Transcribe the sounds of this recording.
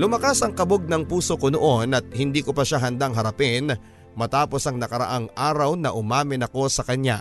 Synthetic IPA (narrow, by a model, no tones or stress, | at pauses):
lʊmɐkasɐŋkɐboɡ̚nɐŋpuːsokonoʔo̞nɐt̪̚hɪnd̪iːkopɐʃaɦɐnd̪aŋɦɐɾɐpɪn | mɐt̪aːpo̞sɐŋnɐkɐɾɐ̰ʔaŋʔaːɾɐwnɐʔʊmaːmɪnɐko̞sɐkɐɲa̰